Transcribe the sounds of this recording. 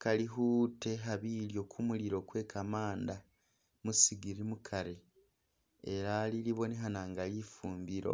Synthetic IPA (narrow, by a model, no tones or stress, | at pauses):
kaliɦuːte̞ɦaβiljo̞kʰumuliɾo̞ːkwe̞ːkʰamaːnda | musiɡiɾimukʰaɾe | eɾaːliliβo̞neɦanaːŋɡalifuːmbiɾo̞̰